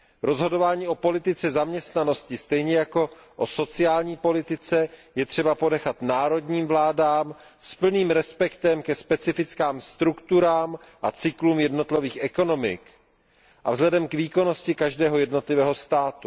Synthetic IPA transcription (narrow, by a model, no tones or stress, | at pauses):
ɾo̞zɦo̞do̞vaːɲiːʔo̞po̞lɪt̪ɪt͡sɛzamɲɛst̪nano̞scɪst̪ɛjɲɛjako̞ʔoso̞t͡sɪaːlɲiːpo̞lɪt̪ɪt͡sɛjɛt̪r̝̥ɛbapo̞nɛxat̪naːɾo̞dɲiːmvlaːdaːm | spl̩niːmɾɛspɛkt̪ɛmkɛspɛt͡sɪfɪt͡skaːmst̪ɾukt̪uɾaːm | ʔat͡sɪkluːmjɛdno̞t̪liviːxʔɛko̞no̞mɪ̰k | ʔavzlɛdɛmkviːko̞no̞scɪkaʒdɛːɦo̞jɛdno̞t̪lɪvɛːɦo̞st̪aːt̪u